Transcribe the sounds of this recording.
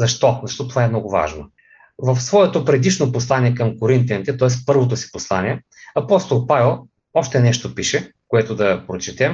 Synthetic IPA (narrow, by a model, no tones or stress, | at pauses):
zɐʃt̪ɔzɐʃt̪ɔt̪ovaɛmnɔɡʊva̰ʒno̰ | vɐfsvɔɛt̪opɾɛd̪iʃnoposlˠaniɛkɐmkoɾint̪jɐnit̪ɛt̪ɔɛspɤɾvot̪osi̥poslˠaniɛ | ɐpɔst̪olˠpavɛlˠ | ɔʃt̪ɛnɛʃt̪opiʃɛ | koɛt̪od̪ɐpɾot͡ʃɛt̪ɛm